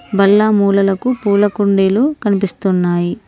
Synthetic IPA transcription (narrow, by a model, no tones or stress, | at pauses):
bɐlːaːmuːlɐlɐkupuːlɐkuɳɖeːloːkɐnipist̪unːaːji